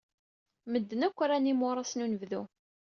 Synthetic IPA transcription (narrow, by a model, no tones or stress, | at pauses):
məd̪ːənækʷːɾænimʊɾˤɑsnunəvðu